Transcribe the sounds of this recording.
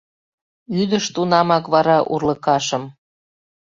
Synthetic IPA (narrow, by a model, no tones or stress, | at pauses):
yd̪əʃt̪unɑmɑkβɑɾɑʔṵrləkɑʃəm